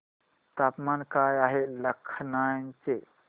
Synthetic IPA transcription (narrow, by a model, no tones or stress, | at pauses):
t̪apmankajaɦeləkʰnant͡ʃe